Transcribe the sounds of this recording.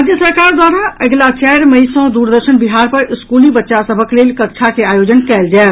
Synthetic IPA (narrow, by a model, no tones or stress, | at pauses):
d͡ʒjəsəɾkaɾd̪waɾaʔəɡlat͡ʃɛɾməɪsɔ̃d̪uɾd̪əɾʃənbiɦaɾpəɾɪskulibətːʃasəbʱəklelkək̚t͡ʃʰakeajod͡ʒənkɛld͡ʒaɛ